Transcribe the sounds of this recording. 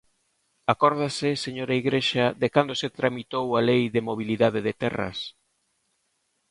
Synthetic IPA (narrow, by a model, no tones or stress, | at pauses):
akɔɾð̞asɪseɲoɾaiɣɾeʃaðekand̪oset̪ɾamit̪owalejðɪmoβ̞iliðaðɪðɪt̪ɛrɐ̰s